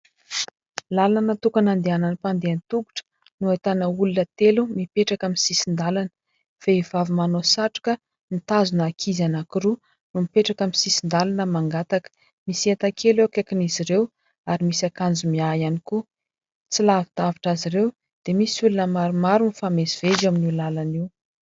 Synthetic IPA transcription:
lalanət̪ukanand̪eananipand̪eanit̪uɡu̥ʈ͡ʂə̥ | nuat̪anəulunət̪elumipeʈ͡ʂakaminsisind̪alanə̥ | feivavimanosaʈ͡ʂi̥kə | nit̪azunakʰizanakiɾu | numipeʈ͡ʂakaminsisind̪alanəmaŋɡat̪akə̥ | misiet̪akʰelekekiniziɾew | aɾimisakand͡zumiajaniku | t͡silavit̪aviʈ͡ʂazirew | d̪̥emisiulunəmaɾumaɾunifameziv̥ezaminiulalaniw

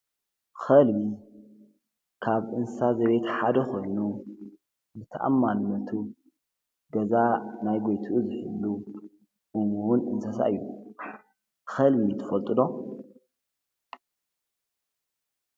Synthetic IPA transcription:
xɐlbi | kʰaβʔɨnssazɐβe̞t̪ħad̪ɐxʰo̞jnu | zɨt̪ʰɐ̰ʔa̰mːanmɐt̪ʰu | ɡɐzanajɡo̞jt̪ʰuʔuzɨħɨ̰lːu | ʔumuwunɨ̰nsɐsa̰ʔɨjːu | xɐlbiit̪ʰɨfɐlt̪ʼɨd̪o̞

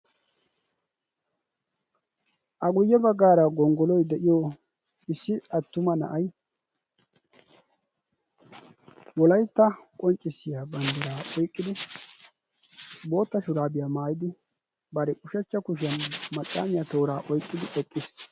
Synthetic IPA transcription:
ʔɐɡʊjːɛbɐɡːaːɾɐɡɔŋɡɔlɔjd̪ɛʔɪjoː | ɪsːɪɐt̪ːʊmɐnɐ̰ʔɐj | wɔlɐjt̪ːɐkʼɔnt͡ʃʼːɪsːɪjaːbɐnd̪ɪɾaːʔɔjkʼːɪd̪ɪ | bo̞ːt̪ːɐʃʊɾaːbɪjaːmaːjɪd̪ɪ | bɐɾɛkʼʊʃɛt͡ʃːɐkʊʃ̬ɪɐnmɐtʼːa̰ːmɪjat̪o̞ːɾaːʔɔjkʼːɪd̪ɪʔɔkʼːɪs

